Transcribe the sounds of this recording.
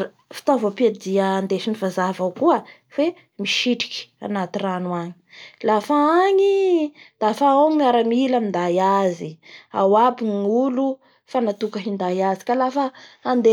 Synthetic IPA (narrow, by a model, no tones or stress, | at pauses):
fi̥t̪ovaped̪iəːnd̪eʃinivazavawkuə | fe | miʃiʈ͡ʂi̥ki̥a̰nat̪iranuaɲi̥lafaaɲid̪̥afaawmiaɾamilamind̪ajazia̰wabiɲulu | fanat̪ukaɦind̪ajazi̥kalafəːnd̪e